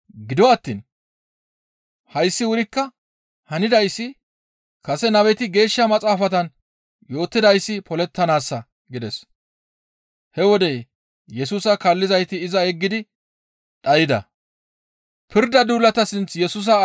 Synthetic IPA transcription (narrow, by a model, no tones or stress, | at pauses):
ɡɪd̪ɔɐt̪ːiːn | hɐjsːɪwʊɾɪkːɐ | hɐnɪd̪ɐjsːɪ | kɐsɛnɐwɛt̪ɪɡe̞ːʃːɐmɐt͡sʼaːfɐt̪ɐn | jo̞ːt̪ːɪd̪ɐjsːɪpɔlɛt̪ːɐnaːsːɐ | ɡɪd̪ɛs | hɛwɔd̪ɛj | jɛsuːsɐkɐlːɪzɐjt̪ɪːzɐɛɡːɪd̪ɪ | ᶑɐjɪd̪ɐ̰ | pɪɾd̪ɐd̪uːlːɐt̪ɐsɪnt͡sjɛsʊs̬ɐ